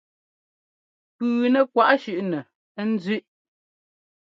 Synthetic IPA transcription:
pʉː˨nɛ˨kwa˦ʔʃʉ˨ʔnɛ˨˦ | n̩˦zʉ˦ʔ

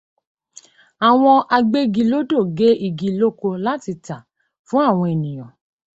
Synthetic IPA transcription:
a˨w̃ɔ̃˧ʔa˧ɡ͡be˦ɡi˧lo˦do˦˨ɡe˨˦i˧ɡi˧lo˦ko˧la˦ti˧ta˨ | fũ˦a˦˨w̃ɔ̃˧e˨nĩ˨j̃ɔ̃˨

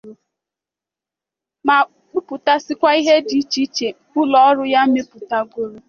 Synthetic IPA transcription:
ma˨ | k͡pʊ˦pʊ˨ta˦sɪ˦kʷa˦i˦ɦe˦di˦t͡ʃi˦t͡ʃe˨kʊ˦lɔ˨ɔ˦ɾʊ˦ja˦me˦pʊ˨ta˦ɡʷo˦ɾo˦

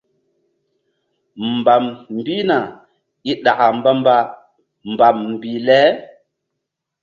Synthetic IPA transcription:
mba˨mm˦bi˦na˨ | i˦ɗa˨ʔa˨mba˦mba˦ | mba˨mm˨bi˨lɛ˦

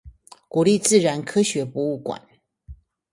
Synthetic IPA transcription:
ku˨˩li˥˧t͡sɹ̩˥˩ɻa˧˥nkʰɤ˥ɕɥɛ˧˥pu˧˥u˥˩kwa̰˨˦n

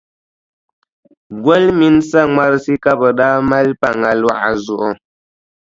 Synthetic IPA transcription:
ɡwə˦lmi˦nsa˦˨ŋwa˦ɾsi˦ka˦bə˨ɗa˦ma˦lpa˨ŋa˨lwa̰˦˨zu˨ʔɔ˦

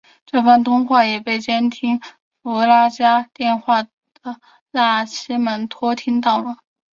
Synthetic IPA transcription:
ʈ͡ʂɤ˥˧fə˥˩nt̪ʰʊ˥ŋxwa˥˩jɛ˨˩pe˥˩ɪt͡ɕjɛ˥nt̪ʰi˥ŋ | fla˥t͡ɕja˥t̪jɛ˥˧nxwa˥˩ | d̪̥ə˩ | la˥˩t͡ɕʰi˥mə˧˥nt̪ʰwɔ˥t̪ʰi˥ŋt̪ɑ˥˩ʊlə˧˩˦

